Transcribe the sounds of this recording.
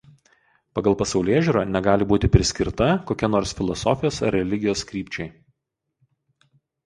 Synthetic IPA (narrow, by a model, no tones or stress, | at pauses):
pɐɡɐlˠpɐsɐʊlʲeːʒʲuɾoːnʲɛɡɑːlʲɪbuːt̪ʲɪpʲɾʲɪsʲkʲɪɾt̪ɐkoːkʲɛnoːɾsfʲɪlˠɔsɔ̰fʲɪjoːsɐ̰ɾːʲɛlʲɪɡʲɪjoːskɾʲiːpʲt͡ʃʲɛɪ